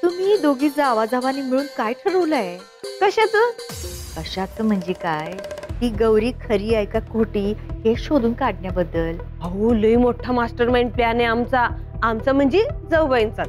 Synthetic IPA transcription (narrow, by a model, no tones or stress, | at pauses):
t̪um̤iːd̪oɡiːd͡zaʋad͡zaʋaniːmiɭuːnkajʈʰəɾəʋlae | kəɕat͡səkəɕat͡səːm̤əɳd͡ʑekajt̪iːɡəwɾiːkʰəɾiːajkakoʈiːɦeɕod̪uːnkaɽɳjabəd̪ːəl | əoləimoʈʰamasʈəɾmajnpljaneamt͡saːmt͡sam̤əɳd͡ʑed͡zəwʋəjnt͡sat̪